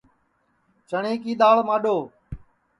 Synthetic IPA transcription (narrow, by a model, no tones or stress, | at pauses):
t͡ʃəɳeːkiːɗ̪aːɭmaːɗoː